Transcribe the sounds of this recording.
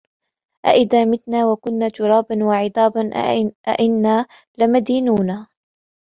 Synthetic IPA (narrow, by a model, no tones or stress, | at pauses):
ʔa̰ʔɪðaːmɪθnaːwakʊnːaːt̪ʊɾˤɑːbanwaʕɪd̪ˤɑːbanʔʔa̰ʔɪnːaː | lɪmad̪iːnuːna